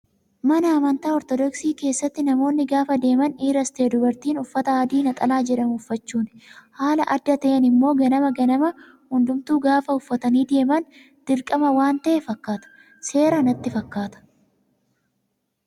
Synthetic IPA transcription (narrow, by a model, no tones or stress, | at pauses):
mɐnɐːmɐnt̪aːɔɾt̪ɔd̪ɔksiːke̞ːsːɐt̪ːɪnɐmo̞ːnːɪɡaːfɐd̪e̞ːmɐniːɾɐst̪e̞ːd̪ʊbɐɾt̪iːnʊfːɐt̪ɐaːd̪iːnɐt̪ʼɐlaːd͡ʒɛᶑɐmʊʊfːɐt͡ʃːuːnhaːlɐʔɐd̪ːɐt̪ɐʔenɪmːo̞ːɡɐnɐmɐɡɐnɐmɐ | hʊnd̪ʊmt̪uːɡaːfɐʊfːɐt̪ɐniːd̪e̞ːmɐn | d̪̥ɪɾkʼɐmɐwaːnt̪ɐʔɛfɐkːaːt̪ɐ̥ | se̞ːɾɐnɐt̪ːɪfɐkːaːt̪ɐ̥